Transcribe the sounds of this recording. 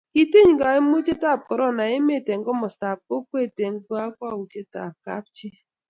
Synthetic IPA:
i˨te˦ɲ˨ɡa˨˦e˦m˦o˦te˦ta˦˨p̚kɔ˨ɾɔ˦˨na˨e˦me˦˨te˨ŋ̩˦ɡo˦mɔ˨sta˨p̚ko˦kʷe˦˨te˨ŋ̩˦ɡo˦a˦kʷa˦˨u˨te˦ta̰˨p̚ka̰˦p̚t͡ʃi˦

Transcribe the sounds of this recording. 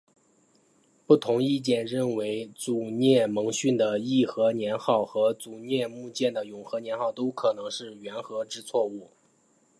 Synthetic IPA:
pu˥˩t̪ʰʊ˧˥ŋi˥˧t͡ɕjɛ˥˩nɻə˥˩nwe˧˥ɪt͡su˨˩njɛ˥˩mɤ˧˥ŋɕy˥˩nd̪ə˩i˥˩xɤ˧˥njɛ˧˥nxɑ˥˩ʊxɤ˧˥t͡su˨˩njɛ˥˧mu˥˧t͡ɕjɛ˥˩nd̪ə˩jʊ˨˩ŋxɤ˧˥njɛ˧˥nxɑ˥˩ʊt̪o˥ʊkʰɤ˨˩nɤ˧˥ŋʂɻ̩˥˩ɥɛ˧˥nxɤ˧˥ʈ͡ʂɻ̩˥t͡sʰwɔ˥˧u˥˩

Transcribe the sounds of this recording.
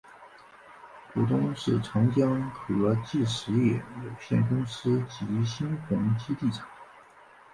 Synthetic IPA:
pu˨˩t̪ʊ˥ŋʂɻ̩˥˩ʈ͡ʂʰɑ˧˥ŋt͡ɕjɑ˥ŋkʰɤ˨˩lɔ˧˥t͡ɕi˥˩ʂɻ̩˧˥jɛ˥˩jo˨˩ʊɕjɛ˥˩nkʊ˥ŋsɹ̩˥t͡ɕi˧˥ɕi˥nxʊ˧˥ŋt͡ɕi˥t̪i˥˩ʈ͡ʂʰɑ̥˨˩˦ŋ

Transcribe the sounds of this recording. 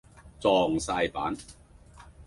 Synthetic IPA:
t͡sɔː˧ŋsaː˧jpaː˨˥n

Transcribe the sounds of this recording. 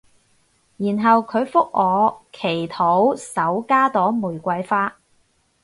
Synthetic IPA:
jiː˨˩nɦɐ˨wkʰɵ˨˧ɥfʊ˥k̚ŋɔː˨˧kʰe˨˩jt̪ʰo˨˥wsɐ˨˥wkaː˥t̪ɔː˨˥wmuː˨˩jkʷɐ˧jfaː˥

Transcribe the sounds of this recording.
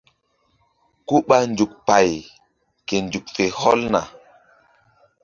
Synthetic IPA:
ko˦ɓa˦nd͡ʒu˨k̚pa˨j | ke˨nd͡ʒu˨k̚fe˨hɔ˦lna̰˨

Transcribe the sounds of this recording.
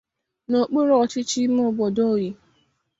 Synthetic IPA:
no˨k͡pe˦ɾo˦ɔ˨t͡ʃɪ˦t͡ʃi˦m˦o˦˨bɔ˨do˦˨ji˨

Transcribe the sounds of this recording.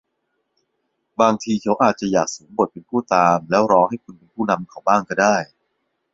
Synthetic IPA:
baː˧ŋt̪ʰiː˧t͡ɕʰa˦˥wʔaː˨˩t̪̚t͡ɕa˨˩jaː˨˩k̚suː˩˦ŋbu˨˩t̪̚pe˧npʰuː˥˩t̪aː˧mlɛː˦˥wɾɔː˧ŋha˥˩jkʰu˧npe˧npʰuː˥˩na˧mkʰa˨˩wbaː˥˩ŋkɔː˥˩daː˥˩j

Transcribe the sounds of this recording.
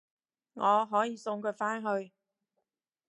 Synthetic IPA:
ŋɔː˨˧ɦɔː˨˥jiː˨˧sʊ˧ŋkʰɵ˨˧faː˥nɦɵ˧ɥ

